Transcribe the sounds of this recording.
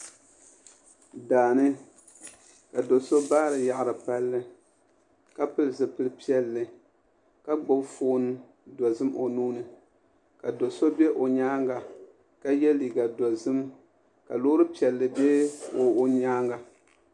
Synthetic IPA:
daː˨nɨ˦ | ka˨do˨so˦baː˦ɾɨ˨ja˨ʔɾɨ˨pa˦lːɨ˦ | ka˦pɨ˦lɨ˨s̬ɨ˨pɨ˦lɨ˦pi˦ɛ˦lːɨ˨ | ka˦ɡ͡bo˦bfoː˦n˦ | dɔ˨zɨ˦mʔo˨nuː˦nɨ˨ | ka˨do˨so˦bɛ˦ʔo˨ɲaː˦ŋɡa˨ | ka˦jɛ˦liː˨ɡa˨dɔ˨zɨ˦m | ka̰˨loː˦ɾɨ˦pi˨ɛ˨lːɨ˨bɛ˦o˨˦ɲaː˦ŋɡa˨

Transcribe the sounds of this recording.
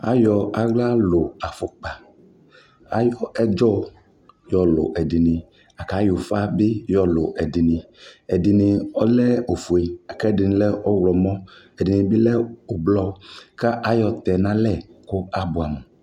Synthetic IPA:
a̰˨jɔ˨a˨ɡla˦lo˨a˨fo˨k͡pa˨ | a˦jɔ˦ɛ˦d͡ʒɔ˦ | jɔ˨lo̰˨ʔɛ˨di˨nĩ˨ | a˨ka˨˦jo˨fa˦be˦jɔ˨lo˨ʔɛ˨di˨nĩ˨ | ɛ˨di˨nĩ˨ɔ˦lɛ˦o˨fu˨e˨a˨kɛ˦di˨nĩ˨lɛ˦ʔɔ˦wlɔ˨mɔ̃˦ | ɛ˨di˨nĩ˨bi˦lɛ˦o˨blɔ˦ka˦ʔa˦jɔ˨t̪ɛ˨nã˦lɛ˦˨ko˦a˦bu˨a˨me˨

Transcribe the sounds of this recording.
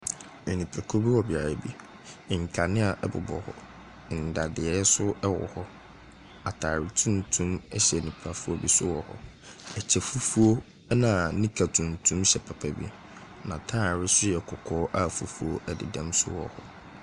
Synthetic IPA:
ɛ˨nĩ˨pʰa˨kʰo˦bi˦wɔ˨bɪ˨a˨ɾa˨bi˦˨ | ŋ̩˨kʰa˨nɪ̃˦a˨ʔɛ˦bʊ̰˨bɔ̰˨hɔ̰˨ | n̩˨da˨dɪ˨ɛ˨˦sʊ˦ɛ˦wɔ̰˨hɔ˦ | a˨tʰaː˨ɾɪ˨tʰũ˦n˨tʰũ˦mɛ˦ɕɛ˨nĩ˨pʰa˨fu˦ɔ˦bi˦sʊ˦wɔ˨hɔ̰˦ | ɛ˨t͡ɕʰɛ˨fu˦fu˦o˦ | nã˨nĩ˦kʰa˨tʰũ˨n̩˨tʰũ˦mɕɛ˨pʰa˨pʰa˨bḭ˦ | nã̰˨tʰa˦˨ɾɪ˦sʊ˦jɛ˨kʰɔ˨kʰɔː˦ʔa˦fu˨fu˦o˦ʔɛ˨dɪ̰˨dɛ̃˦msʊ̰˦wɔ̰˨hɔ˦

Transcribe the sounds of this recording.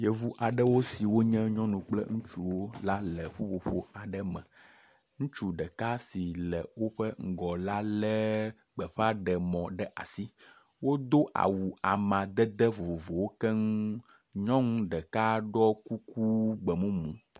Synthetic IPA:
je˦vu˦ʔa˨ɖə˦wo˦si˨wo˦ɲɛ̃˦ɲɔ̃˦nũ˨k͡plɛ̰˦ŋũ˦t͡ʃu˨wo˦la˦lɛ˨ɸo˦ɸo˨ɸo̰˦a˨ɖə˦mɛ̰̃˨ | ŋũ˦t͡ʃu˦ɖə˨ka˦si˨lɛ˨wo˦ɸə˦ŋ̩˦˨ɡɔ˨la˦lɛ˦ | ɡ͡bɛ˨ɸa˦ɖɛ˨mɔ̃˨ɖɛ˦ʔa̰˨si˦ | wo˦d̪o˦ʔa̰˨wu˨a˨mã˨d̪ɛ˦d̪ɛ˦vo˨vo˨vo˨wo˦kɛ˦ŋ˦ | ɲɔ̃˦ŋũ˦ɖə˨ka˦ɖɔ˦ku˦ku˦ɡ͡bə˨mũ˦mũ˨

